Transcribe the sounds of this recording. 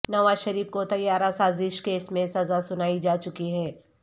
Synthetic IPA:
nɐʋaːzʃɐɾiːfkot̪ɐjaːɾasaːzɪʃkeːsmẽsɐzasʊnaːid͡ʒaːt͡ʃʊkiɦɛː

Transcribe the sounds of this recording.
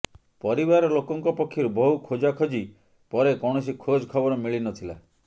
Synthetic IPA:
pɔɾibaɾɔlokɔŋkɔpɔkʰːjɔɾubɔɦukʰod͡ʒakʰɔd͡ʒi | pɔɾekɔɽ̃ɔs̬ikʰod͡ʒkʰɔbɔɾɔmiɭinɔt̪ʰila̰

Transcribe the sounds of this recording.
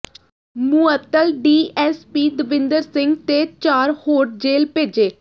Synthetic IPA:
muət̪ːəlɖiːɛːspiːd̪əʋɪ̃nd̪əɾsɪŋɡt̪eːt͡ʃaːɾhoːʈ̚d͡ʒeːlpeːd͡ʒeː

